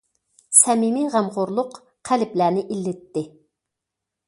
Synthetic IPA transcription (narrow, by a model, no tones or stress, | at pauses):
sɛmimiʁæmʁʊɾlˠʊq | qʰælɪplænɪʔilːɪt̪ːɪ